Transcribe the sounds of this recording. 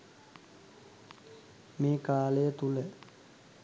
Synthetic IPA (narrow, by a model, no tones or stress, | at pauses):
meːkaːləjət̪ulə